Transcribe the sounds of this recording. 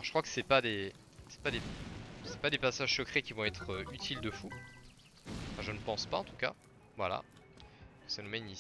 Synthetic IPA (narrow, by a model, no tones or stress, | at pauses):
ʁʒə̥kχwakə̥sɛpad̪e | sɛ̥pad̪esɛpad̪epasaʒsəkχekʲivɔ̃ɛt̪χəyt̪ʰild̪əfu | ɑ̃fɛ̃ʒənəpɑ̃spaɑ̃t̪u̥ka̰ | vwala̰ | sanumɛyni